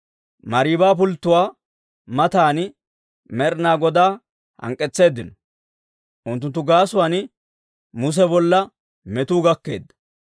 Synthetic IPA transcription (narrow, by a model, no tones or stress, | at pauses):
mɐɾiːbaːp̬ʊlt̪ːʊwaː | mɐt̪aːn | mɛɾnaːɡɔd̪aː | hɐ̰ŋkʼːɛt͡sːe̞ːd̪ːɪnɔ | ʔʊnt̪ːʊnt̪ːʊɡaːsʊwaːn | mʊs̬ɛbɔlːɐ | mɛt̪uːɡɐkːe̞̰ːd̪ːɐ̥